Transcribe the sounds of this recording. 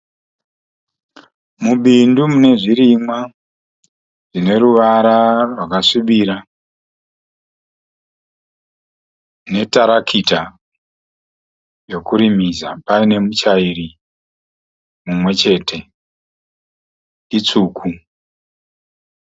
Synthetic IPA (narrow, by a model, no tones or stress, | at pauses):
muɓindumune̞ʐiɾimwa | ʐine̞ɾuʋaɾarwakaʂiɓiɾa | ne̞taɾakʰita | ro̞kuɾimizapaine̞mut͡ʃairi | mumwe̞t͡ʃe̞tʰe̞ | it͡suːkʰu